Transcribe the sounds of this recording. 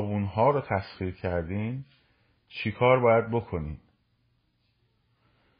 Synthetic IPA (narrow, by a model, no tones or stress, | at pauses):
bunɦɒːɾɒːt̪ʰæsχiːɾcʰæɾd̪iːn | t͡ʃʰikʰɒːɾbɒːjæd̪̚bokʰo̞niːm